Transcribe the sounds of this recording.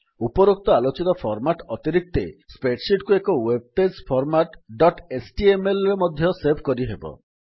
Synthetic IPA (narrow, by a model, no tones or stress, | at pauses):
upɔɾok̚t̪ɔalot͡ʃit̪ɔpʰɔɾmaʈɔt̪iɾik̚t̪ḛspeʈsiʈkuekɔweb̚pespʰɔɾmaʈɖɔʈesʈiemelɾemɔd̪ʱjɔsebkɔɾiɦebɔ̰